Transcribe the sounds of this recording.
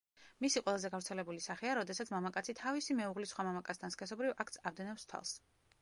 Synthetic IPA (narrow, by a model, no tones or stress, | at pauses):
misiqʼwɛlˠazɛɡavɾt̪sʰɛlɛbulisaχɛaɾɔd̪ɛsat̪sʰmamakʼat̪sʰit̪ʰavisimɛuʁlisχwamamakʼatsd̪ʰanskʰɛs̬ɔbɾivʔak̚ʰt̪sʰavd̪ɛnɛpst̪ʰwa̰lˠs